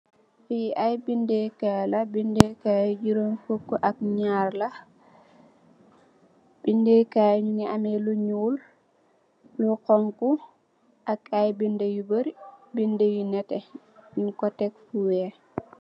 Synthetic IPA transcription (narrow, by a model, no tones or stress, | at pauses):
fiʔajbindekajlabindekajud͡ʒiɾonfukːuʔak̚ɲaɾla | bindekajuɲuniʔamɛluɲul | luqɔŋku | ʔakajbindejibəɾbindewinɛtɛ | nkɔtɛk̚fuwɛ